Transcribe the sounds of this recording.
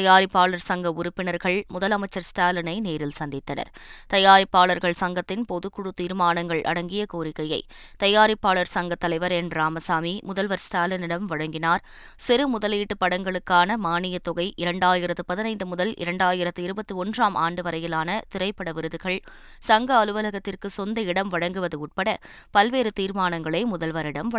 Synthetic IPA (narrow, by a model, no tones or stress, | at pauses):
ɐjaːɾɪpːaːɭɐɾsɐŋɡɐʊɾʊpːɪnɐɾɣɐɭmʊðɐlɐmɐɪt͡ʃːɐɾsʈaːlɐnɐɪneːɾɪlsɐnd̪ɪt̪ːɐnɐ̰ɾt̪ɐjaːɾɪpːaːɭɐɾɣɐɭsɐŋɡɐt̪ːɪnpɔðɯkːʊɽɯt̪ːiːɾmaːnɐŋɡɐɭʔɐ̰ɽɐŋɡɪjɐkoːɾɪkːɐjɐɪ | t̪ɐjaːɾɪpːaːɭɐɾsɐŋɡɐt̪ːɐlɐɪʋɐɾɛnɾaːmɐsaːmimʊðɐlʋɐɾsʈaːlɐnɪɽɐmʋɐɻɐŋɡɪnaːɾ | sɪɾɯmʊðɐliːʈːɯpːɐɽɐŋɡɐɭɯkːaːnɐmaːnɪjɐt̪ːɔɣɐɪʔɪɾɐɳɖaːjɪɾɐt̪ːɯpɐðɪnɐɪnd̪ɯmʊðɐlʔɪ̰ɾɐɳɖaːjɪɾɐt̪ːɯɪɾɯbɐt̪ːɯɔndraːmʔa̰ːɳɖɯʋɐɾɐjɪlaːnɐt̪ɪɾɐɪpːɐɽɐʋɪɾɯðɯɣɐɭ | sɐŋɡɐːlɯʋɐlɐɣɐt̪ːɪrkɯsɔnd̪ɐɪɽɐmʋɐɻɐŋɡɯʋɐðɯʊʈ̚pɐɽɐ | pɐlʋeːɾɯt̪iːɾmaːnɐŋɡɐɭɐɪmʊðɐlʋɐɾɪɽɐmɐ